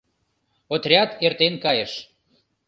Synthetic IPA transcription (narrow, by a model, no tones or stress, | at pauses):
ot̪rʲɑt̪ert̪enkɑjəʃ